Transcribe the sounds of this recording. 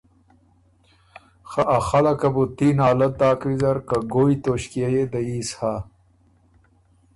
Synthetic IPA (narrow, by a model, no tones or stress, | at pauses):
xaʔaxɐlɐkɐbut̪inaːlɐt̪̚d̪aːkɾizɐɾkaɡoːjt̪oɕkijajed̪ɐisha